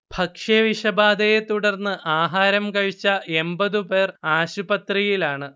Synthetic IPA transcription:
b̥ʱɐkʂɐʋiʂɐbaːd̪ɐjet̪uɽɐrnːɨʔaːɦaːɾɐmkɐɻit͡ɕːɐembɐðɨpe̞ːraːɕubɐt̪rijilaːɳɨ

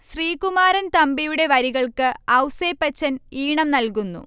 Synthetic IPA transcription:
ɕriːkumaːɾɐnt̪ɐmbijuɽe̞ʋɐɾiɣɐɭkɨɐwseːpːɐt͡ɕːɐniːɳɐmnɐlkunːṵ

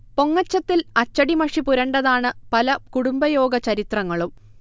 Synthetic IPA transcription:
po̞ŋːɐt͡ɕːɐt̪ːilɐt͡ɕːɐɽimɐʂipuɾɐɳɖɐðaːɳɨpɐlɐkuɽumbɐjo̞ːɡɐt͡ɕɐɾit̪rɐŋːɐɭum

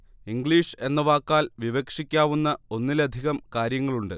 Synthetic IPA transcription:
iŋɡɭiːʂe̞nːɐʋaːkːaːlʋiʋɐkʂikʲːaːʋunːɐo̞nːilɐd̪ʱiɣɐmkaːɾjɐŋːɐɭuɳɖɨ

